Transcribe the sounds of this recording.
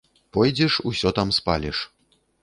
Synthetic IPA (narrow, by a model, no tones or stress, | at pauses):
pɔjd͡zʲɛʂusʲɔt̪amspa̰lʲɛʂ